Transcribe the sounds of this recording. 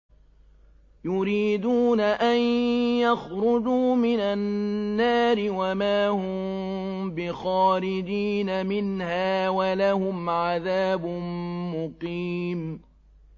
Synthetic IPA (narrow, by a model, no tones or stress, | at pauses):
jʊɾiːd̪uːnaʔanjaxɾʊd͡ʒuːmɪnanːaːɾɪwamaːhʊm | bɪxɑːɾɪd͡ʒiːnamɪnhaːwalahʊmʕaðaːbʊːʊqiːm